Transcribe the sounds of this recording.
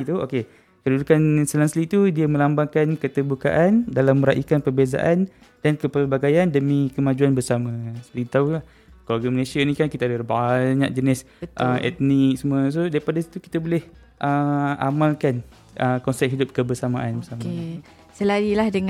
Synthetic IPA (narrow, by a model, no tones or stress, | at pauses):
t̪uoke | kədudukansəlaŋslit̪udiəmə̃lambaŋkankət̪ərbuka̰ʔandalamːəɾaʔikanpərbeza̰ʔan | dankəpərbaɡajandəmikəmãd͡ʒuanbərsamãsəlit̪aulah | koloɡaməlesianĩkankit̪aadalbaɲak̚d͡ʒənɪs | əʔəmɛ̰t̪̚nik̚səmuas̬odaɾipadasi̥t̪uki̥t̪aboleh | ʔəa̰malkan | ʔəkɔnsɛt̚ɦidʊp̚kəbərsamaʔanbəsamae | səlaɾilahdəŋ